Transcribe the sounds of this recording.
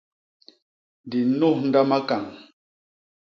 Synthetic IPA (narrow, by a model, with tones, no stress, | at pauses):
ndi˨nu˦hn̩˦da˦ma˦ka˨ŋ